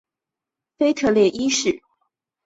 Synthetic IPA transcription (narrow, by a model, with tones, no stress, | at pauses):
fe˥ɪt̪ʰɤ˥˧ljɛ˥˩ʔi˥ʂɻ̩˥˩˦